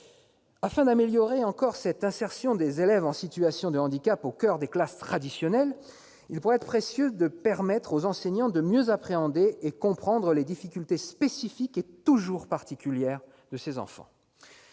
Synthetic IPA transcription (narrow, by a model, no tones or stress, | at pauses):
afɛ̃d̪ameljɔʁeɑ̃kɔʁsɛt̪ɛ̃sɛʁsjɔ̃d̪ezelɛvɑ̃sit̪yasjɔ̃d̪əɑ̃d̪ikapokʲœʁd̪eklast̪χad̪isjɔnɛl | ilpuʁɛɛt̪χpχesjød̪əpɛʁmɛt̪χozɑ̃sɛɲɑ̃d̪əmjøzapχeɑ̃d̪eekɔ̃pχɑ̃d̪ʁəled̪ifikʲylt̪espesifiket̪uʒuʁpaʁt̪ikʲyljɛʁ | d̪əsezɑ̰̃fɑ̰̃